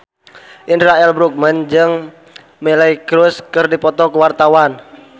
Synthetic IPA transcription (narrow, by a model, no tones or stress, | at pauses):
ʔindɾaɛlbɾuk̚mənd͡ʒɨŋ | melaikɾʊskɨrdipɔt̪ɔkuwart̪awan